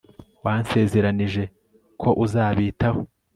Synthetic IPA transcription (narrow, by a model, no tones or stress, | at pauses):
waːnse̞ːze̞ɾaniʒe̞ | kʰo̞ʔuzaːβiːtaho